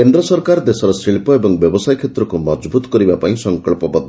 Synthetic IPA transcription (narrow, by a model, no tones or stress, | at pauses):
kend̪ɾɔsɔɾkaɾd̪esɔɾɔsɾiɭpɔebɔŋbjɔbɔsajkʰet̪ɾɔkumɔd͡ʒbut̪ɔ̥kɔɾibapaĩsɔŋkɔɭpɔbɔd̪ʱ